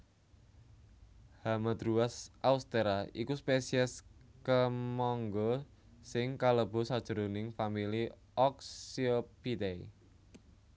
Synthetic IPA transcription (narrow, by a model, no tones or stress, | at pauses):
hamad̪ɾuasʔaust̪eɾaḭkuspesiɛskəmɔŋɡɔ | sɪŋkaləb̥o̤sad̥ʒ̥ə̤ɾonɪŋfamili | ɔksiopit̪ei